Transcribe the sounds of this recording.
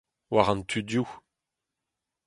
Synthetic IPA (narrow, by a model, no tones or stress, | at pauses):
waʁɑ̃nt̪ʰydju